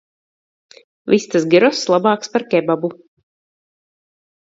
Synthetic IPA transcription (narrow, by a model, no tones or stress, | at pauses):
vist̪asɡʲiɾɔslˠabɑːkspaɾkʲɛbabu